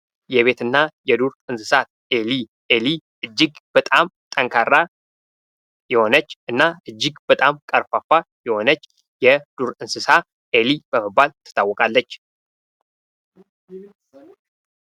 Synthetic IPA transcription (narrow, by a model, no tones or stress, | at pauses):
jɛβe̞t̪ɨnːajɛd̪uɾɨnsɨsat̪ | eli | eliʔɨd͡ʒːɪɡb̥ət̪ʼamt̪ʼəŋkʰarːa | jɛho̞nət͡ʃːʔɨnːaʔɨd͡ʒːɪɡbət̪ʼamkʼəɾfafajɛho̞nət͡ʃː | jɛd̪̥uɾɨnsɨsa | ʔelibəməbːalt̪ʰɨ̥t̪ʰːawːɔkʼalːət͡ʃː